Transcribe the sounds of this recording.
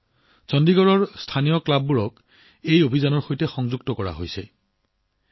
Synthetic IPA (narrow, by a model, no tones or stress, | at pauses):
sɔndiɡɔɹɔɹstʰanijɔklabːuɹɔk | ejobʱizanɔɹxojtɛxɔŋzuɡ̚tɔkɔɹa̰ɦo̰jsɛ̰